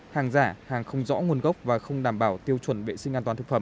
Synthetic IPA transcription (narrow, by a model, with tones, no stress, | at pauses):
haː˨˩ŋzaː˧˩haː˨˩ŋxə˧wŋ͡mzɔ̰˧˥ŋu˧ənɣə˦˥wk͡p̚vaː˨˩xə˧wŋ͡mɗaː˧˩mɓaː˧˩wt̪i˧əwt͡ɕwə˧˩nvḛ˧˨sï˧ŋʔaː˧t̪waː˨˦t̪ʰɨ˩k̚fə˧˩˨